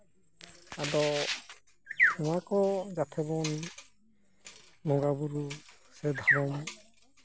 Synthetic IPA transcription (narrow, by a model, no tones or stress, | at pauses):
ad̪ɔ | ɔmakɔd͡ʒat̪ʰɛbɔn | nɔɡabuɾu | sɛd̪ʱaɾɔm